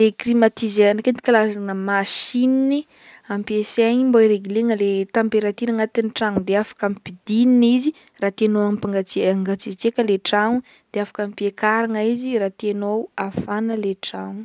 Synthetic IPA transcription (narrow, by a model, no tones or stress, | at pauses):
leklimat̪izeanəkent̪i̥kalazanəmaʃinini | ampieseɲimboiɾeɡileŋəlet̪ampeɾat̪inaŋat̪iniʈ͡ʂaŋud̪eafḁkamipid̪ininizi | raːt̪enoamipaŋɡat͡siaŋɡat͡sit͡sekʲəleʈ͡ʂaŋu | d̪̥eafḁkampiekaɾaŋaiziɾaːt̪enowafanəleʈ͡ʂaŋu